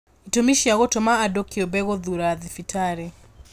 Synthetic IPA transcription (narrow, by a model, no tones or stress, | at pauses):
itomiʃiaɣɔtɔmaːdɔkiɔbɛɣɔðuɾaðifitʰaɾɛ